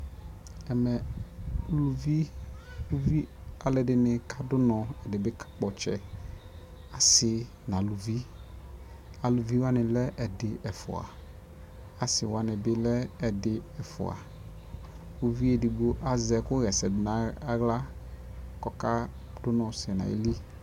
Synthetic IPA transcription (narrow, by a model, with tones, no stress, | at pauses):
ɛ˨mɛ˨˦ | lu˨vi˦u˦vi˦a˨lɛ˨dɪ˨nɪ̃˨ka˦dʊ˦nɔ̃˨ɛ˨dɪ˨bɪ˦kḁ˦k͡pɔ˨t͡ʃɛ˦ | a˨sɪ˨ | nã˨lu˨vi˦ | a˨lu˨vi˦wa˦nɪ̃˨lɛ˦ʔɛ˨dɪ˨ʔɛ˨fʊ̰˨a̰˨ | a˨sɪ˨wa˨nɪ˨bɪ˦lɛː˦˨dɪ˨ɛ˨fʊ̰˨a̰˨ | u˨vi˦e˨dɪ˨ɡ͡bo˦ʔa˨zɛ˨kʊ˦ɣɛ˨sɛ˨dɪ˨nã˨a˨˦ɣla˦ | kɔ˨ka˦ | d̥ʊ˦nɔ̃˨sɪ˨nã̰˨ḛ˨˦li˦